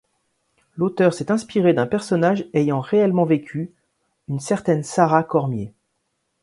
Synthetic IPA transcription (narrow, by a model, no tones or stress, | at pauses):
lot̪œʁsɛt̪ɛ̃spiʁed̪ɛ̃pɛʁsɔnaʒejɑ̃ʁeɛlmɑ̃vekʲʰy | ynsɛʁt̪ɛnsaʁakɔʁmje